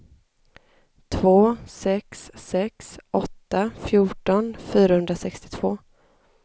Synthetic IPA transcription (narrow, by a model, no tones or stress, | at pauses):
t̪ʰvoːsɛksːɛksɔt̪ːafjuːʈɔnfyːɾahɵnd̪ɾasɛkst̪ɪ̥t̪ʰv̥oː